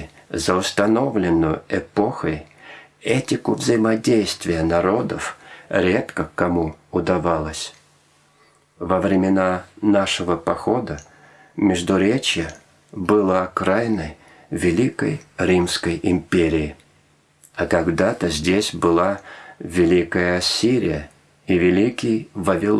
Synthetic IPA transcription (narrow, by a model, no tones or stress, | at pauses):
zəʊst̪ɐno̞vlʲɪnːʊjʊ̰ɛpo̞xəj | ɛtʲɪkʊvzəjɪmɐdʲejst̪vʲɪjənɐɾo̞d̪əfɾʲe̞t̪kəkɐmuʊd̪ɐvalˠəsʲ | vəvɾʲɪmʲɪnanaʂɨvəpɐxo̞d̪ə | mʲɪʐd̪ʊɾʲet͡ɕɪjə | bɨlˠəɐkɾajnəj | vʲɪlʲikəjɾʲimskəjɪmʲpʲeɾʲɪː | ɐkɐɡd̪at̪əzʲdʲesʲbɨlˠavʲɪlʲikəjəɐsʲiɾʲɪ̰jə | ivʲɪlʲikʲɪjvəvʲɪlˠ